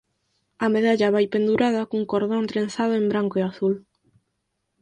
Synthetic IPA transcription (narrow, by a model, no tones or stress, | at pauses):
ameðaʎaβajpend̪uɾað̞akuŋkoɾðõnt̪ɾẽnθaðʊembɾaŋkoeaθul